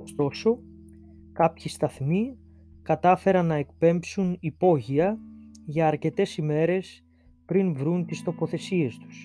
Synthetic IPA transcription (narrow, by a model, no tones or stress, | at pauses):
ost̪o̞so̞ | kɐpçist̪ɐθmi | kɐt̪ɐfe̞ɾɐnːɐe̞kpe̞mpsunipo̞ʝiɐʝɐːɾce̞t̪e̞sime̞ɾe̞s | pɾinvɾunt̪ist̪o̞po̞θe̞sie̞st̪u̥s